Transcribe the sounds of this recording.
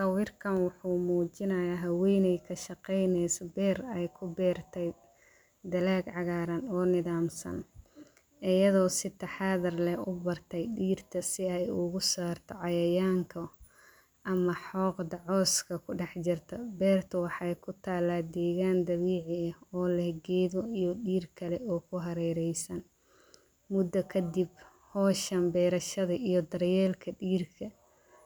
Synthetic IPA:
tɐwɪːrkʰɐnwɑħuːmuːt͡ʃɪnɐjaːɦɐwɛjnɛjkʰɐʃɑqɛjnɛjsɐbɛːrɛjkʰʊbɛːrt̪ʰɛj | d̪ɐlaːɡʕɑɣaːɾɐnɔːnɪðaːmsɐ̰n | ʔɪjɐðɔːsɪt̪ʰɐħɑːðɐrlɛʊbɐrt̪ʰɛjɖiːrt̪ʰɐsɪɛjʊɣʊsaːrt̪ʰɔʕɑjɐjaːŋkʰɐ | ʔɐmɐħɔːqd̪ɑʕɔːskʰɐkʰʊɖɛħt͡ʃɪrt̪ʰɐbɛːrt̪ʰɐwɑħɑjkʰʊt̪ʰaːlaːd̪ɛːɣaːnd̪ɐβiːʕɪɐhɔːlɛɡɛːðɔijɔɖiːrkʰɐlɛɔːkʰʊɦɐɾɛːɾɛjsɐn | mʊd̪ɐkʰɐd̪ib | hɔːʃɐmbɛːɾɐʃɐðɐʔijɔd̪ɐrjɛːlkʰɐɖiːrkʰɐ

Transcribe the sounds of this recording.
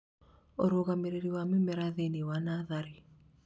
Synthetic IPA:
oɾoɣameɾeɾiwamemɛɾaðenewanaðaɾi

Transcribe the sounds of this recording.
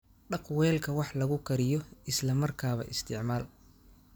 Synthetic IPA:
ɖɑqwɛːlkʰɐwɑħlɐɣʊkʰɐɾɪjɔɪslɐmɐrkʰaːβɐ̰ʔɪst̪ʰɪʕmaːl

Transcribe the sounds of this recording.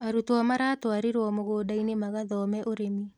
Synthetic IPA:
aɾutɔmaɾaːtoaɾeɾwɔmoɣoːdainemaɣaðɔmɛʔoɾemi

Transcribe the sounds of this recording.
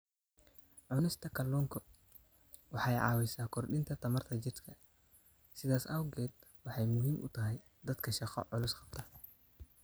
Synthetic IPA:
ʕʊnɪst̪ʰɐkʰɐlːuːŋkʰɔ | wɑħɑjʕɑ̰ːwɛsaːkʰɔrɖɪnt̪ʰɐt̪ʰɐmɐrt̪ʰɐt͡ʃɪrt̪kʰɐ | sɪðaːsɐwɡɛːd̪wɑħɑjmʊɦiːmʔʊ̰t̪ʰɐɦɛj | d̪ɐd̪kʰɐʃɑqɔ̰ʕʊlʊsqɑb̥̚t̪ʰɐ

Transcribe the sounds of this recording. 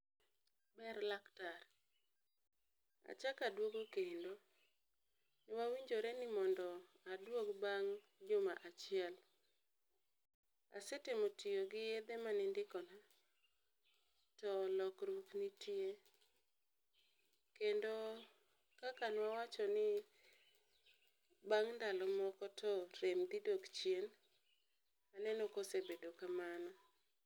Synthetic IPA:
bɛɾlaktar | a̰t͡ʃakadwoɡokendo | nɪwawiɲd͡ʒoɾɛnɪmɔndɔ | adwokbaŋ | d͡ʒʊmaʔat͡ʃɪɛl | a̰setemotɪjoɡɪjed̪emanɪndɪkɔna | tɔlɔkɾuknitie | kendo | kakanwawat͡ʃɔnɪ | baŋndalɔmɔkɔtɔɾemd̪idokt͡ʃjen | anɛnɔkosebedokamanɔ

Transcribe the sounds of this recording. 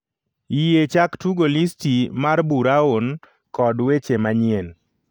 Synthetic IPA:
ijet͡ʃaktuɡolistimarbuɾaon | kɔdwet͡ʃemaɲɪen

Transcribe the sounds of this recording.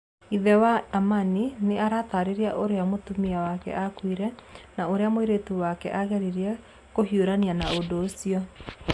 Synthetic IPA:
iðɛwaːmanineaɾataɾeɾeaʔoɾeamotumiawakɛ̰ʔakwiɾɛnaoɾeamoiɾetuwakɛ̰ʔaɣɛɾiɾiɛ | kohioɾanianaodoːsiɔ

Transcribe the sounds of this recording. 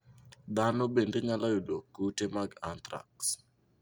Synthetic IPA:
d̪anobendeɲalajodokːutemaɡant̪ɾa̰ks

